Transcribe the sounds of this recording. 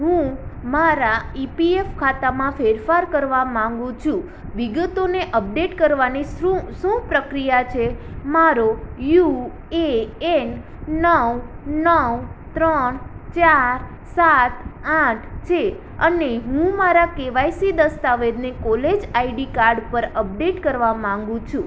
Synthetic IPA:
ɦũmaɾaipiefkʰat̪amãfeɾfaɾkəɾʋamãŋɡũt͡ʃʰũ | ʋiɡət̪oneʔəp̚ɖeʈkəɾʋanisũʃũpɾəkɾijat͡ʃʰemaɾoju | een | nəwnəwt̪ɾənt͡ʃaɾ | saʈʰaʈʰt͡ʃʰe | əneɦũmaɾakeʋajsid̪əst̪aʋed̪nekoled͡ʒaiɖikaɾɖpəɾəp̚ɖeʈkəɾʋamãŋɡũt͡ʃʰũ

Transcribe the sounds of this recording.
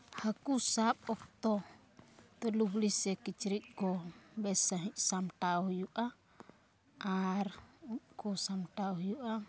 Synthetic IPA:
hakusapɔk̚t̪ɔ | t̪əlublisɛkit͡ʃiɾit̪̚ɡɔbɛsaɦiʔsamtauhjuʔa | ʔaɾukɔsamtauhjuʔa

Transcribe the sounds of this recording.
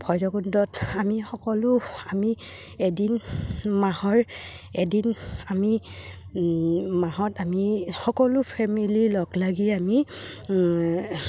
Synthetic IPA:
bʱɔjdɔɡundɔtamixɔkɔlʊami | edinmaɦɔɹ | edinami | maɦɔtamixɔkɔlʊpʰɛmililɔɡlaɡiami

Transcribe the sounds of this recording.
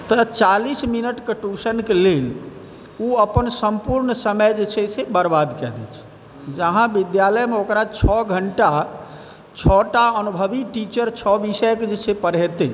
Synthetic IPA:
t̪ət͡ʃalisminəʈkeʈusənkelel | uəpənsəmpuɾɳsəməjd͡ʒet͡ʃʰɛsebəɾbad̪kɛ̰d̪ɛ̰t͡ʃʰ | d͡ʒəɦãbid̪jaləjmeokɾat͡ʃʰɔɡʱəɳʈa | t͡ʃʰɔʈaənubʱəbiʈit͡ʃəɾt͡ʃʰɔbisəjked͡ʒet͡ʃʰepəɾɦɛt̪e

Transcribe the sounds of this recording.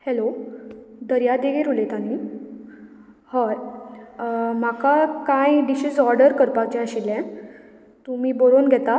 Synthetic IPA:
helo | d̪əɾjad̪eɡeɾulet̪ani | həɾ | makakãjɖiɕisɔɾɖəɾkəɾpat͡ɕɛəɕilɛ̃ | t̪umiːboɾonɡʱɛt̪a

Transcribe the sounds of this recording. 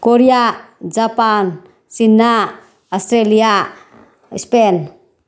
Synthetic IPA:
koɾiad͡ʒapan | sinːa | ɔst̪ɾelia | ispen

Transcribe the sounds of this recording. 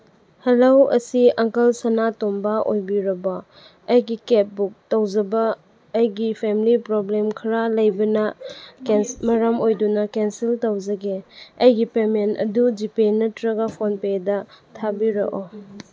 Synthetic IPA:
hɐlowɐ̰siɐŋkɐlsanatombaojbiɾɐbɐ | ɐjɡiket̚buk̚tɐwd͡ʒɐbɐː | jɡipʰemilipɾoblemkʰɐɾalɐjbɐnɐkensmɐɾɐmojdunɐkensiltɐwd͡ʒɐɡeɐjɡipementɐ̰dud͡ʒipenɐtɾɐɡapʰonpedɐtʰabiɾɐ̰ʔo

